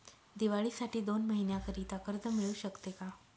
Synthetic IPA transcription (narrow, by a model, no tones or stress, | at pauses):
d̪iʋaɭiːsaʈʰiːd̪onməɦinjãkəɾiːt̪akəɾd̪əmiɭuːɕəkt̪eka